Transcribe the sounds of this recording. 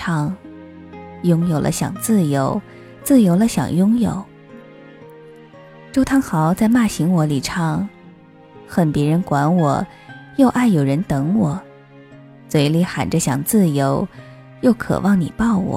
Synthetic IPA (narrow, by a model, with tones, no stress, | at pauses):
ɑ˥ŋ | jʊ˥ŋjo˨˩ʊlʔə̰˦ɕjɑ̰˨˩ŋt͡sɹ̩˥˩jo˧˥ʊ | t͡sɹ̩˥˩jo˧˥ʊlə˧ɕjɑ̰˨˩ŋjʊ˥ŋjo̰˨˩˦ʊ | ʈ͡ʂo˥ʊt̪ʰɑ˥ŋxɑ˧˥ʊt͡sa˥˧ɪma˥˩ɕi˧˥ŋwɔ˧˥li˨˩ʈ͡ʂʰɑ˥ŋ | xə˨˩npjɛ˧˥ɻə˧˥nkwa˧˥nwɔ̰˨˩ | jo˥˧ʊʔa˥˩ɪjo˨˩ʊɻə˧˥nt̪ɤ˧˥ŋwɔ˨˩˦ | t͡swe˧˥ɪli˧˥˩xa̰˨˩nʈ͡ʂə˦ɕjɑ˨˩ŋt͡sɹ̩˥˩jo˧˥ʊ | jo˥˩ʊkʰɤ̰˨˩wʔɑ˥˩ŋni˨˩pɑ˥˩ʊwɔ̰˨˩˦